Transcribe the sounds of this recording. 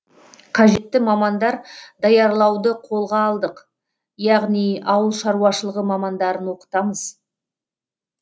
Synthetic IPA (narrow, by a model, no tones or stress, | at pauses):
qʰɑʒe̞t̪ːɪmɑmɑnd̪ɑɾd̪ɑjɑɾlˠɑwd̪əqʰo̞lˠʁɑːlˠd̪əq | jɑʁnijɑwəlˠʃɑɾuɑʃəlˠəʁəmɑmɑnd̪ɑɾənwo̞qə̥t̪ɑməz̥